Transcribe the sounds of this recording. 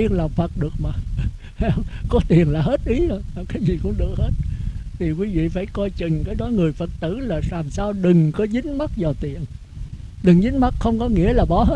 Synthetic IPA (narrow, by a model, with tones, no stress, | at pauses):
i˧ənla˨˩wŋ͡mfə˨˩t̚ɗɨ˨˩ək̚maː˨˩ | ha˧˦ə˧wŋ͡mkɔ˨˦t̪i˨˩ənlaː˨˩ɦe˦˥t̚ʔi˨˦zo˧˩ja˨˩kaː˨˦jzi˨˩kʊ̰˧˥ŋ͡mɗɨ˨˩ək̚he˦˥t̚t̪ʰi˨˩kwi˨˦vḭ˧˨faː˧˩jkɔ˧jt͡ɕï˨˩ŋ̟kaː˨˦jɗɔ˨˦ŋɨ˨˩əjfə˨˩t̚t̪ɨ̰˧˩laː˨˩laː˨˩msaː˧wɗɨ˨˩ŋkɔ˨˦zi˨˦ŋ̟ma˦˥t̚zaː˨˩wt̪i˨˩ən | ɗɨ˨˩ŋzɨ˨˦ŋ̟ma˦˥t̚xə˧wŋ͡mkɔ˨˦ŋḭ˧˥əlaː˨˩ɓɔ˨˦ɦe˦